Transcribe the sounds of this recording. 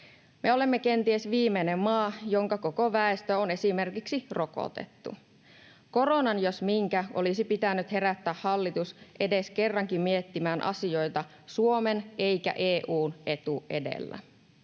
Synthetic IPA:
meo̞le̞mːeke̞nt̪iesʋiːmenemːɑːjoŋkɑkokoʋæest̪øone̞sime̞rkiksiro̞ko̰t̪ḛt̪ːṵ | ko̞ɾo̞nɑnjosmiŋkæʔo̰lisipit̪ænːyt̪he̞ɾæt̪ːæːhhɑlːit̪usʔe̞de̞ske̞rːɑŋkimmiet̪ːimæːnʔɑ̰sio̞jt̪ɑ | suo̞menʔe̞jkæ̰ʔeːʔuːnʔe̞t̪uʔe̞̰dḛlːæ̰

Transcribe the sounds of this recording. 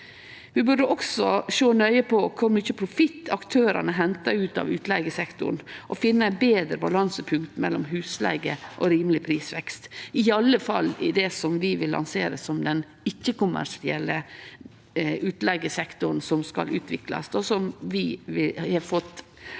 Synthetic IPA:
ʋɪbʉɖəʔɔksɔʃoːnœʏəpʰɔkʰʊɾmyːçəpʰɾʊfɪt̪ːɑkt̪ʰøːɾɑ̰nəɦɛnt̪ɑʉːt̪ɑ̰ʋʉːt̪lɛɡəsɛkt̪ʊ̰ɳʔɔfɪnːəæbeːd̪ɾəbɑlɑnsəpʰʉŋkt̪mɛ̰lːɔmɦʉːslɛ̰ɡəʔɔɾiːmlɪpʰɾiːsʋɛkst̪ɪɑlːəfɑlːɪ̰d̪ɛsɔmʋɪʋɪlːɑ̰nseːɾəsɔmd̪ɛn | ɪçːəkʊmæ̰ʂɪɛlːə | ʉːt̪lɛɡəsɛkt̪ʊɾn̩sɔmskɑ̰lʔʉ̰ːt̪ʰʋɪklɑ̰sd̪osɔmʋɪʋɪhɑɾfɔt̪ː

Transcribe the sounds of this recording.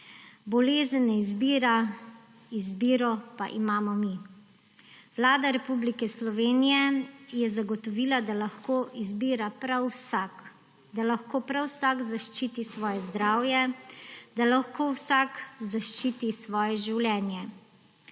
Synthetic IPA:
bɔleːzənːɛizbiːɾa | izbiːɾɔpa̰ʔimaːmɔmi | ʋlaːd̪aɾɛpublikɛslɔʋeːnijɛjɛzaɡɔt̪ɔʋiːlad̪alaxkoːʔizbiːɾapɾawsak | d̪alaxkoːpɾawsakzaʃt͡ʃiːt̪isʋɔːjɛzd̪ɾaːwjɛ | d̪alaxkowsakzaʃt͡ʃiːt̪isʋɔːjɛʒiwlʲɛːnjɛ

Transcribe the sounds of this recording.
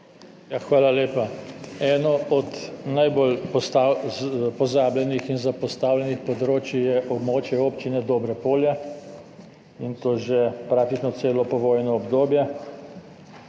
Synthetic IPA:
jaxʋaːlaleːpaɛːnɔɔd̪najboːlpɔ | pɔzaːblɛnixinzapɔst̪aːwlʲjɛnixpɔd̪ɾoːt͡ʃijɛʔɔbmoːt͡ʃjɛoːpt͡ʃinɛd̪ɔːbɾɛpoːljɛ | int̪oːʒepɾaːk̚t̪it͡ʃnɔseːlɔpɔʋoːjnɔːbd̪oːbjɛ

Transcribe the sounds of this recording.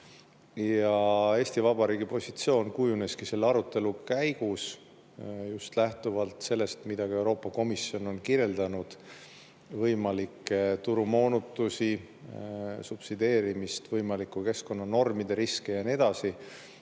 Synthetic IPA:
jɑe̞ːsʲt̪ivɑbɑɾiːɡ̥ipo̞sʲit̪sio̞ːnkujune̞skise̞lːeɑɾut̪ːˑe̞lukæjɡ̥us | just̪læht̪uvɑlt̪se̞lːe̞st̪mid̪̥ɑɡ̥ɑe̞wɾo̞ːpˑːɑko̞misːio̞no̞nkiɾe̞ld̪̥ɑnud̪̥ | vɤjmɑlikːet̪uɾumo̞ːnut̪ːˑusi | sub̥sid̪e̞ːɾimist̪vɤjmɑlikːˑuke̞sko̞nːɑno̞rmid̪̥e̞ɾiskejɑnie̞d̪̥ɑsi

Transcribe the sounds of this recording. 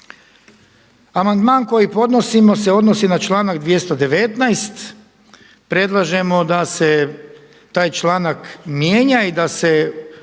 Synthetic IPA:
amand̪maːnko̞jipo̞d̪no̞simo̞se̞o̞d̪nosinat͡ʃlˠaːnaɡd̪ʋje̞st̪od̪e̞ʋe̞t̪najst̪ | pɾe̞d̪lˠaʒe̞mo̞d̪ase | t̪aːjt͡ʃlaːnakmjeːɲaid̪ase̞

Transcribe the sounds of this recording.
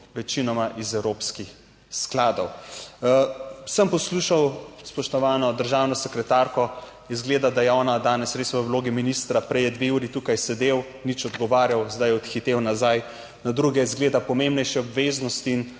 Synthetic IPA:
ʋɛt͡ʃinɔmaʔizɛwɾoːpskix | sklaːd̪ɔw | səmpɔsluːʃawspɔʃt̪ɔʋaːnɔd̪əɾʒaːwnɔsɛkɾɛt̪aɾkɔ | izɡleːd̪ad̪ajɛɔːnad̪aːnɛsɾesʋəwloːɡiminist̪ɾapɾɛjɛd̪ʋeuːɾit̪uːkajsɛd̪ew | nit͡ʃɔd̪ɡɔʋaːɾjawzd̪ajɛɔt̪xit̪ewnazaj | nad̪ɾuɡɛizɡleːd̪apɔmembnɛjʃɛɔbʋeznɔst̪iːn

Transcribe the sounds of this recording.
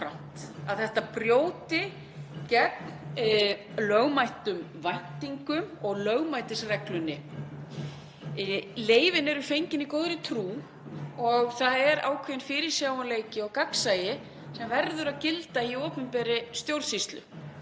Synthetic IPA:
fɾa̰wm̥t̪aðθɛht̪apɾjowt̪ɪ | cɛk̚n | lœɣmajht̪ʏmvajn̥t̪iŋkʏmɔɣlœɣmajt̪ɪsrɛklʏnːɪ | ɪleːjvɪnɛɾʏfejɲcɪnikoːwðɾɪt̪ʰɾuː | ɔɣθaðɛɾa̰ːwkʰvejnfɪɾɪ̥sjaːwanleːjcɪɔɣkaksajɪ | sɛmvɛɾðʏɾaðcɪlt̪aiɔːpʏmpɛːɾɪst̪jowɾsist̪lʏ̰

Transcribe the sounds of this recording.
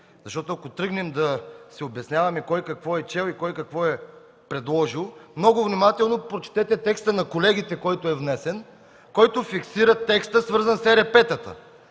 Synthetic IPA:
zɐʃt̪ɔt̪ʊɐkot̪ɾɤɡnɛmd̪ɐsɛobɛsnʲjavɐmɛkɔjkɐkvɔɛt͡ʃɛlˠikɔjkɐkvɔɛ | pɾɛd̪lˠɔʒilˠmnɔɡʊvnimat̪ɛlˠnopɾot͡ʃt̪ɛt̪ɛt̪ɛkst̪ənɐkolɛɡ̟ʲit̪ɛkɔjt̪oɛvnɛsɛn | kɔjt̪ʊfiksiɾɐt̪ːɛkst̪əsvɤɾzənsɛɾɛpɛt̪ət̪ə̰

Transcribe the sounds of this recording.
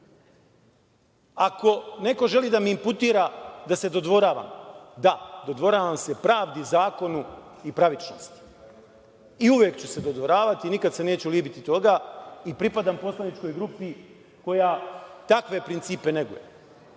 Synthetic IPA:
ako̞ne̞ko̞ʒe̞liːd̪amiimput̪iːɾad̪ase̞d̪o̞d̪ʋo̞ɾaːʋa̰ːmd̪ad̪od̪ʋo̞ɾaːʋamse̞pɾaːʋd̪izaːko̞nuipɾaʋit͡ʃno̰st̪i̥ | iuʋjeːkt͡ɕuse̞d̪od̪ʋo̞ɾaːʋat̪iːnikad̪se̞ne̞ːt͡ɕuliːbit̪it̪o̞ɡaipɾipad̪ampo̞slˠanit͡ʃko̞jɡɾupi | ko̞jaːt̪akʋe̞pɾint̪siːpe̞ne̞ɡṵjḛ

